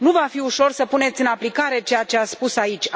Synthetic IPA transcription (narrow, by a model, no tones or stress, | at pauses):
nuvafiuʃo̞rsəpune̞t̪sʲɨnaplikaɾe̞t͡ʃe̞jat͡ʃe̞aspusait͡ʃʲ